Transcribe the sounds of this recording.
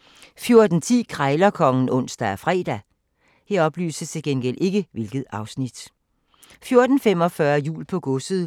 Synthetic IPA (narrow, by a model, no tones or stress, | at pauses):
fjo̝ɐd̥n̩t͡sʰḭːkʰʁɑɪlɐkʰɒ̽ŋn̩ɔ̽n̰sd̥æɒfʁɛ̰ːd̥æ | heɐ̰ɒ̽b̥ly̰ːsəst͡sʰe̝lɡ̥enɡ̥el̰ʔe̝ɡ̥əʋe̝lɡ̥ð̞̩ˠɑ̈ʊsnid̥ | fjo̝ɐd̥n̩fem̰ɒ̽fɶɐjṵːlpʰɒ̽ɡ̥ɔsəð̩ˠ